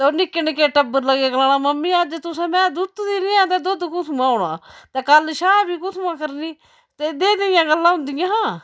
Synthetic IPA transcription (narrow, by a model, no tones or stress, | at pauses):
t̪ːoːnɪkːənkeʈəbːəɾləɡeːkəlaːnaːməmːĩːəd͡ʒt̪ʊsẽːmɛ̃ːd̪ʊt̪d̪iːɾɪːãːt̪ɛːd̪ʊd̪kʊt̪ʰmãːoɳã̰ːt̪eːkəlʃaːbiːkʊt̪mãːkəɾniː | t̪eːd̪eːd̪eɪjãːɡəlːãːɦʊ̃nd̪ɪjãːɦãː